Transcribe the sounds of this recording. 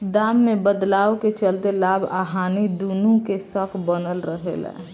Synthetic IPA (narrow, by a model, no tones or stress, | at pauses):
d̪amːebəd̪laːoket͡ʃəlt̪elaːbʱa̰ɦanid̪unũkesəkʰbənəlɾəɦḛlɛ̰